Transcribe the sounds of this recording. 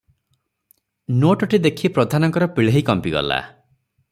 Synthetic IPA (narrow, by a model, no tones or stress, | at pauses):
noʈɔʈid̪ekʰipɾɔd̪ʱanɔŋkɔɾɔpiɭeɦekɔmpiɡɔ̰la̰